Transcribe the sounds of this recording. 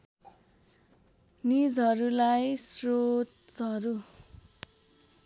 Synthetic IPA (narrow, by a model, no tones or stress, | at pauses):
nid͡zɦʌɾulajsrotʌɾu